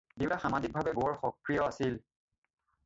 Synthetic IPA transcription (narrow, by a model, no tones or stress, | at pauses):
diwtaxamazik̚bʱabɛboɔɹxɔkɹijɔasil